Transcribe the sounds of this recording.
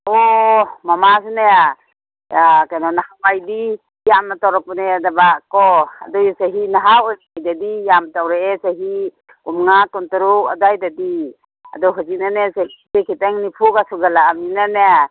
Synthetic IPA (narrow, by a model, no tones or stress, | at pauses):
ɔmamasnea | akajnɔnahabajdi | jamnatawɾak̚pnedabakɔa̰dɔjsaɦinaɦawɔjajdadijamtawɾeesaɦi | umŋatɔntɔɾua̰dajdadi | a̰dɔɦɔzik̚nanesahisekʰiteŋnipʰukasuɡalaːminane